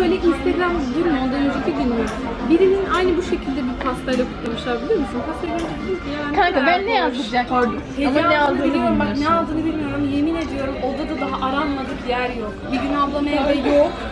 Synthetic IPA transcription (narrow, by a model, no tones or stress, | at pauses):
øjlʲɛʔinst̪ʰeɡɾamd̪yɾynonˠd̪anød͡ʒet̪ʰiɟinoɾ | biɾininʔajnɯbuʃe̞cʰilʲd̪ɛbiɾpʰast̪ajlʲɛkʰu̥t̪lˠamɯʃlˠaɾbilʲioɾmysynkʰasevʲeɾd͡ʒekid̪ʲikijaːnʲʰabænːɛjazd̪ɯd͡ʒakoɾd̪u | hezilɛalˠd̪ɯiljoɾumbaknɛalˠd̪ɯːnɯbilʲmijo̞ɾumje̞mined̪ijo̞ɾumo̞d̪ad̪ad̪aɦaʔaɾanmad̪ɯkjæɾjokbiɾinablˠamajad̪ajok